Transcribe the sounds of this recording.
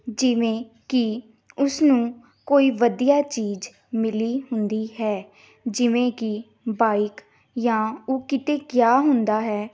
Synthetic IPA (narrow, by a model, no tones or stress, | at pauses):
d͡ʒɪʋẽː | kɪ | ʊsnũː | koːiːʋəd̪ijaːt͡ʃiːd͡ʒ | mɪliːɦʊnd̪iːɦɛː | d͡ʒɪʋẽːkɪ | baːɪk | jãːoːkɪt̪eːkjaːɦʊnd̪aːɦɛː